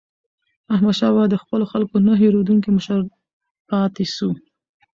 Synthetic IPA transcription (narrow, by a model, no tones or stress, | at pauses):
ahmad̪ʃɑbad̪əxpəloxalkonaɦeɾod̪uŋkiməʃəɾ | pɑt̪eʃu